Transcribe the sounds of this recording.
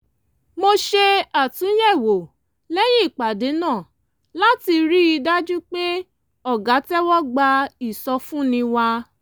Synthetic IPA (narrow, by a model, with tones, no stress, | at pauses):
mo˧ʃe˧a˨tũ˨˦j̃ɛ˦˨wo˨ | lɛ˦j̃ĩ˦i˦˨k͡pa˨de˨˦nãː˦˨ | la˦ti˧ɾi˦i˧da˦d͡ʒu˦k͡pe˦ | ɔ˦˨ɡa˨˦tɛ˦wɔ˦ɡ͡ba˧i˨sɔ˧fũ˦nĩ˧wa˧